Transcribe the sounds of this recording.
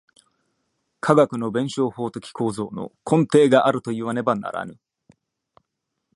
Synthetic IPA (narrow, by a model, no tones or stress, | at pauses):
kʰaɡakɯ̟no̞bẽ̞ɰ̃ɕo̞ːho̞ːt̪o̞kʲi̥kʰo̞ːzo̞ːno̞̰kʰõ̞nt̪e̞ːɡaʔaɾɯ̟t̪o̞iβane̞bana̰ɾa̰nɯ̟̰